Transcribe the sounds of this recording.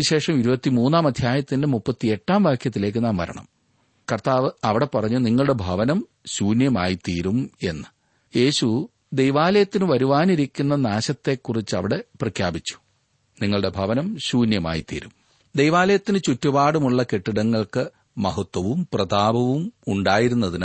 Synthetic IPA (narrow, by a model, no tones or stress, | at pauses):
ɕe̞ːʂɐmiɾubɐt̪ːimuːnːaːmɐd̪ʱjaːjɐt̪ːinde̞mupːɐt̪ːie̞ʈːaːmʋaːkʰjɐt̪ːile̞ːk̬ːɨnaːmʋɐ̰ɾɐ̰ɳɐ̰m | kɐrt̪aːʋɨɐʋiɽe̞pɐrɐɲːuniŋːɐɭɽe̞bʱɐʋɐnɐm | ɕuːnjɐmaːjit̪iːɾume̞nːɨ | je̞ːɕu | d̪e̞jʋaːlɐjɐt̪ːinɨʋɐɾuʋaːniɾikʲːunːɐnaːɕɐt̪ːe̞kːurit͡ɕːɨɐʋiɽe̞prɐkʰjaːbit͡ɕːu̥ | niŋːɐɭɽe̞bʱɐʋɐnɐmɕuːnjɐma̰ːjit̪ḭːɾum | d̪ejʋaːlɐjɐt̪ːinɨt͡ɕutːubaːɽumuɭːɐkeʈːiɽɐŋːɐɭkɨ | mɐɦɐt̪wɐʋumprɐd̪aːbɐʋumuɳɖaːjiɾunːɐðin